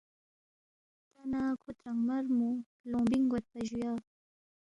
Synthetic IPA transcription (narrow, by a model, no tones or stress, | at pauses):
t̪anakʰot̪ɾaŋmaɾmu | loŋbɪŋɡot̪̚paʒujɑ